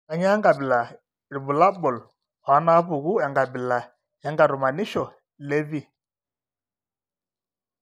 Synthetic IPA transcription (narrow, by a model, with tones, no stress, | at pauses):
a˨ɲa˦ŋɡa˨bɪ˨la˨ | ɾi˨bu˨la˦bɔ˨l | ha˨˦na˦pʊ˨ɣu˦ɛ˨ŋɡa˨bɪ˨la˨ | ɛ˨˦ŋɡa˨ɾʊ˨ma˨ni˦ʃɔ˨ | le˦vi˦